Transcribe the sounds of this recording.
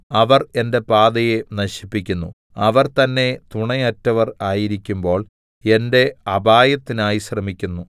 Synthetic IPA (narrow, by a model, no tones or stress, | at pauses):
ɐʋɐre̞nde̞paːd̪ɐjenɐɕi̥pːikʲːunːṵ | ɐʋɐrt̪ɐnːe̞t̪uɳɐjɐtːɐʋɐraːjiɾikʲːumbo̞ːɭ | e̞nde̞ɐbaːjɐt̪ːinaːjiɕrɐmikʲːunːu